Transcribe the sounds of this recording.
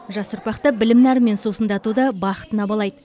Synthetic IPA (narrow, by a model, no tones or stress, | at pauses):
ʒɑsʊɾpɑqt̪əbɪlɪmnæɾme̞nsusənd̪ɑt̪ud̪ɑbɑχə̥t̪ənɑbɑlˠɑjd̪ə